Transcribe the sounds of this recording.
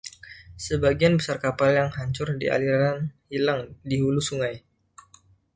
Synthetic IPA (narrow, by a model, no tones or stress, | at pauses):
səbaɡianbəsarkapaljaŋhaɲt͡ʃʊrdḭʔa̰liɾaanhilaŋdiɦulusuŋaj